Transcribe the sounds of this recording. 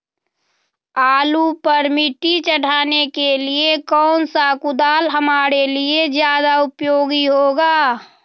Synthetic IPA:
aːlupəɾmɪʈ̪it͡ʃəɽ̤aːnekeliekɔːnsakʊd̪aːlɦəmaːɾelied͡ʒjaːd̪aʊpjoːɡiɦoɡaː

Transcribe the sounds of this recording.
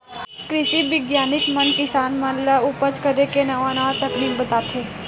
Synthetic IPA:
kɾɪʃibɪɡjaːnɪkmɐnkɪsaːnmɐlaʊpət͡ʃkɐɾekenɐʋanaːt̪ɐknikbɐt̪aːt̪eː

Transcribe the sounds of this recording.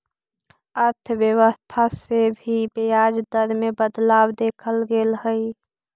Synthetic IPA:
əɾt̪ʰəwjəwəst̪ʰasebʱibejaːd͡ʒd̪əɾmẽbəd̪laːwd̪eːkʰəlɡelɦəi

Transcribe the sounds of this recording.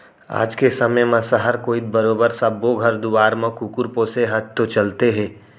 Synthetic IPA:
a̰ːd͡ʒkesɐməmə̃səɦəɾkoːit̪̚bɐɾoːbəɾsɐbːoɡʱɐɾd̪uʋaːɾmɐ̃kukʊɾpoːseɦɐt̪̚t̪ot͡ʃɐlt̪eɦɛ̃ː

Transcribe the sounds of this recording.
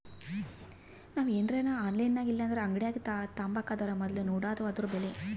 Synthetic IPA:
naːʋuenɾeːnaaːnlɐjnːaːɡilːɐnd̪ɐɾeɐŋɡɐɽejaːɡit̪ːaːt̪aːmbaːkːaːd̪ɐɾɐmɐd̪lunuːɽaːd̪ɐad̪ɾubele

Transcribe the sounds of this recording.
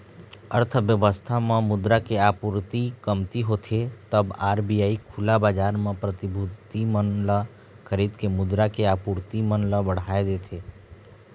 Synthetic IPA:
əɾt̪ʰəʋjəʋəst̪ʰamẽmʊd̪ɾakeaːpuɾt̪ikəmt̪iɦot̪ʰet̪əbaːɾbijaːikʰʊlabaːd͡ʒaːɾmẽpɾət̪ɪbʱut̪imənla | kʰəɾiːd̪kemʊd̪ɾakeaːpuːɾt̪imənləbəɽ̤aːed̪eːt̪ʰeː

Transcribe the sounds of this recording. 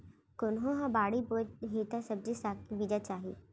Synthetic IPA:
kʊnɦõɦãbaːɽiboɦeːt̪asɐb̚d͡ʒisaːkkibiːd͡ʒat͡ʃaːɦḭː

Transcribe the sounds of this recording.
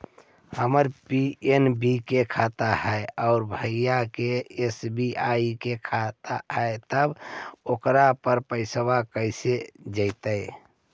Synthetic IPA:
həməɾpienbikekʰat̪ahɛɔʊɾbʱəjakeesbiaikekʰat̪aɦəet̪əbokɾapəɾpəɪsəbakəɪsed͡ʒəɪt̪ə

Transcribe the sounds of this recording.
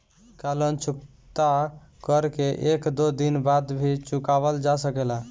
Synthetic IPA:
kalənt͡ʃuk | t̪a | kəɾkeʔekd̪od̪inbad̪bʱit͡ʃukabəld͡ʒasəkela

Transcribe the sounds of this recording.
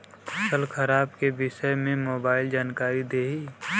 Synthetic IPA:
sʰəlkʰəɾaːbkebɪʃəmẽmoːbaːɪld͡ʒaːnkaːɾid̪eːɦi

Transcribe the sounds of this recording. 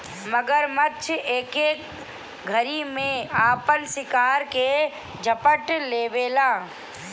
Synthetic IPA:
məɡəɾmətːt͡ʃʰeːkeːk | ɡʱəɾimẽaːpənsɪkaːɾke | d͡ʒʱəpəʈleːbeːlaː

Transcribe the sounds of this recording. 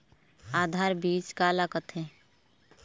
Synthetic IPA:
aːd̪ʱaːɾbiːt͡ʃkalakət̪ʰẽ

